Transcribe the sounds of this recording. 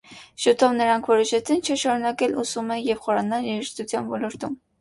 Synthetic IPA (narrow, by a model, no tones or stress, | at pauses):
ʃut̪ʰɔvnəɾɑŋkʰvɔɾɔʃɛt͡sʰint͡ʃʰəʃɑɾunɑkɛlusumɛjɛvχɔɾɑnɑljɛɾəʃt̪ut͡sʰjɑnvɔlɔɾt̪um